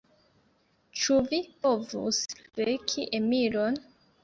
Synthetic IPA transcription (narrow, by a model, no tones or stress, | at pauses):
t͡ʃuvipovṵsɾekʰiʔemiɾon